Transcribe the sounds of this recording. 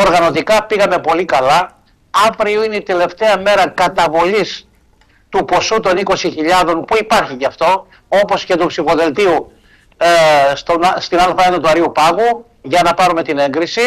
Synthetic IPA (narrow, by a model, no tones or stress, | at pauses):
o̞ɾɣɐno̞t̪ikɐpiɣɐme̞po̞likɐlɐ | ɐvɾioineit̪e̞le̞ft̪e̞ɐme̞ɾɐkɐt̪ɐvo̞ʎis | t̪upo̞sut̪o̞niko̞siçiʎɐðo̞npuipɐɾçicɐft̪o̞ | o̞po̞sce̞t̪upsifo̞ðe̞lt̪iu | st̪ost̪inɐlfɐenɐt̪uɐɾiupɐɣu | ʝɐnɐpɐɾume̞t̪ine̞ŋɡɾisi